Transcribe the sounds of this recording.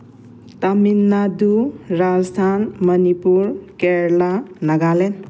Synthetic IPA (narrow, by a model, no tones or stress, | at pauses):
t̪ʌminːad̪uɾad͡zst̪ʰanmʌnipuɾkeɾlanʌɡalen